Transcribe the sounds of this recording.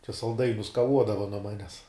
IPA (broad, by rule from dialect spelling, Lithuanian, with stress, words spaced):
t͡ʃʲɛ sɐlˠˈdɐɪnʲʊs kɐˈʋuɔdɐʋɐ nuɔ ˈmɑːnʲɛs